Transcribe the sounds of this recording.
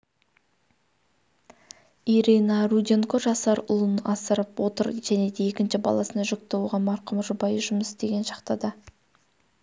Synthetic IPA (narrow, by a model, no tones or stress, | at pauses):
ijɾenɑrud̪ʲeŋkoʒɑsɑɾʊ̰lˠənɑsəɾəpwo̞t̪əɾʒ̥æne̞d̪e̞ekʲɪnʃɪbɑ̰lˠɑsənɑʒʏk̚t̪ɪwoʁɑnmɑɾqʰəmʒʊbɑjʒʊməsd̪e̞ɡʲe̞nʃɑ̥qt̪ɑd̪ɑ